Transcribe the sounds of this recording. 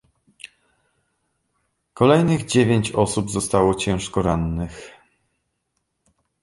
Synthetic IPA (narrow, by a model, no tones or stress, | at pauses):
kɔlɛjnɘɣd͡ʑevʲeɲt͡ɕɔsubzɔst̪awɔt͡ɕɛ̃w̃ʂkɔɾanːɘx